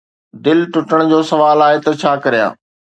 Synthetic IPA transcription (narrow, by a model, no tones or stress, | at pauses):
d̪ɪlʈʊʈəɽ̃d͡ʑoːsɐʋaːlaːɦet̪ɐt͡ɕʰaːkɐɾijã̰ː